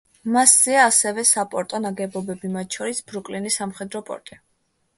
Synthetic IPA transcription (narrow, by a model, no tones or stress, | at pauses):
masz̥ɛaːsɛvɛsapʼɔɾt̪ʼɔnaɡɛbɔbɛbimat̪̚t͡ʃʰɔɾisbɾukʼlinisamχɛd̪ɾɔpʼɔ̰ɾt̪ʼi